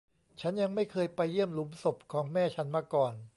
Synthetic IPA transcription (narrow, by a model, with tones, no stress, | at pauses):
t͡ɕʰa˦˥nja˧ŋma˥˩jkʰɤː˧jpa˧jːi˥˩əmlu˩˦mso˨˩p̚kʰɔː˩˦ŋmɛː˥˩t͡ɕʰa˦˥nmaː˧˥˩kɔː˨˩n